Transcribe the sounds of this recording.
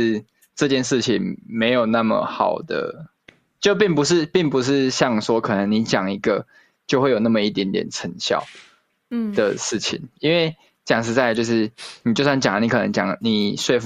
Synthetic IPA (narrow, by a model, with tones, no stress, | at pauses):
ʈ͡ʂɤ˥˧t͡ɕjɛ˥˧nʂɻ̩˥˩t͡ɕʰi˨ŋme˧˥ɪjo˨˩ʊna˥˩mə̰˩xɑ̰˨˩ʊd̪ə̰˦ | t͡ɕjo˥˧ʊp̬i˥˩ŋp̬u˧˦ʂ̬ɻ̩˥˧pi˥˩ŋp̬u˧˦ʂ̬ɻ̩˥˧ɕjɑ˥˩ŋʂwɔ˧˦kʰɤ˨˩nə˧˦ŋni˧˦t͡ɕjɑ˨˩ŋi˧˥ɡə˧ | t͡ɕjo˥˧ʊxwe˥˩ɪjo˨˩na˥˩mə˩i˥˩t̪jɛ˧˥nt̪jɛ̰˨˩nt͡sʰə˧˥ŋɕjɑ̰˥˩˨ʊ | d̪̥ə˩ʂɻ̩˥˩t͡ɕʰḭ˨˩˦ŋi˥˦nwe˥˩ɪ | t͡ɕjɑ˨˩ŋʂ̬ɻ̩˧˥t͡sa˥˧ɪt͡ɕjo˥˧ʊʂɻ̩˥˩ni˨˩t͡ɕjo˥˧ʊs̬wa˥˩nt͡ɕjɑ˨˩ŋə˦ni˧˥kʰɤ˨˩nə̰˧˦ŋt͡ɕjɑ̰˨˩ŋni˨˩ʂwe˥˧ɪf